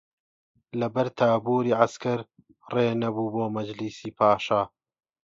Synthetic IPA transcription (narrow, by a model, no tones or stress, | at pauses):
lɐbɐɾt̪ʰaːbuːɾiːʕaskɐɾ | reːnɐbuːboːmɐd͡ʒlisiːpʰaːʃaː